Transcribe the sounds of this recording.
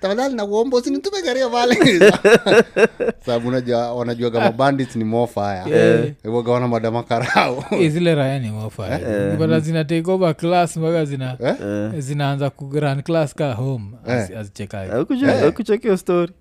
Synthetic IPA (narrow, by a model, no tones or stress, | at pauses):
tamaðalinakɔmbɔusinin̩tumɛkaɾiɔpalɛiz | saaɓuunaʄuawanaʄuaɡamabanditnimɔfajaɛiaɡawanamaɗamakaɾaɔɛzilɛɾajanimɔfa̰aibanazinat̬ɛik̬ɔbaklasmbakazinaɛzinaːnzakuɾanklaskaɦɔmɛazit͡ʃɛka̰ɛkkut͡ʃɔkiɔstɔɾi